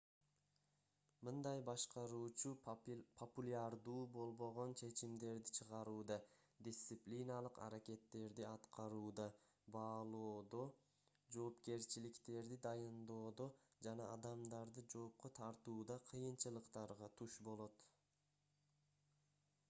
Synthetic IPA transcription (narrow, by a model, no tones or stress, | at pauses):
mɯnd̪ɑjbɑʃqɑɾuːt͡ʃupʰopulʲaɾd̪uːbo̞lˠbo̞ʁo̞nt͡ʃʰe̞t͡ʃimd̪e̞ɾd̪it͡ʃʰɯʁɑɾuːd̪ɑ | d̪ʲɪst̪sɨplʲinalˠɯqɑ̰ɾake̞t̪ːe̞ɾd̪iɑt̪qɑɾuːd̪ɑ | bɑːlˠoːd̪o̞ | d͡ʒo̞ːpke̞ɾt͡ʃilikt̪e̞ɾd̪id̪ɑjɯnd̪o̞ːd̪o̞d͡ʒɑnɑːd̪ɑmd̪ɑɾd̪ɯd͡ʒo̞ːp̚qot̪ʰɑɾt̪uːd̪ɑqʰɯjɯnt͡ʃɯlˠɯqt̪ɑɾʁɑt̪ʰuʃbo̞lˠo̞t̪